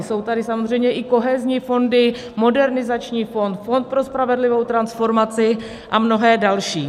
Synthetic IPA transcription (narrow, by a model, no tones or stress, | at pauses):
so̞wt̪adɪsamozr̝ɛjmɲɛʔɪko̞ɦɛzɲiːfo̞ndɪ | mo̞dɛɾnɪzat͡ʃɲiːfo̞nt̪fo̞nt̪̚pɾo̞spɾavɛdlɪvo̞wt̪ɾansfo̞ɾmat͡sɪ | ʔamno̞ɦɛːdalʃḭː